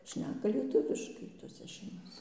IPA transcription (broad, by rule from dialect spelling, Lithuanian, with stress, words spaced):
ˈʃʲnʲæːkɐ lʲiɛˈtʊʋʲɪʃkɐɪ toːˈsʲɛ ʃʲɛɪmoːˈsʲɛ